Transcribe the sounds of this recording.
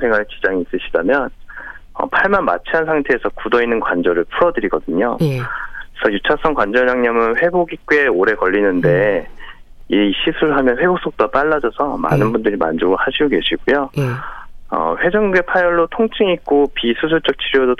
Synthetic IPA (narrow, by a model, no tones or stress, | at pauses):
sʰe̞ŋɦaɭt͡ɕid͡ʑaŋiːs͈ɯɕʰidamjʌnʌ̰pʰaɭmanma̰t͡ɕʰiansʰaŋtʰe̞ːsʰʌkudʌinːɯnkwand͡ʑʌɾɯɭpʰuɾʌdɯɾiɡʌdɯɲo | sʰʌjut͡ɕʰas͈ʰʌŋkwand͡ʑʌɲaŋɲʌmɯnɸwe̞boɡik͈ue̞oɾe̞kʌʎːinɯnde̞ | iɕʰisʰuɾɯɭɦamjʌnɸwe̞bok̚s͈ok̚t͈wap͈aɭːad͡ʑʌsʰʌma̰nɯnbundɯɾima̰nd͡ʑoɡohaɕʰiɡoke̞ɕʰiɡ̥ujo | ʌ̰ɸwe̞d͡ʑʌŋɡue̞pʰajʌɭːotʰoŋt͡ɕʰiŋik̚k͈opisʰusʰuɭt͡ɕ͈ʌk̚t͡ɕʰiɾjodo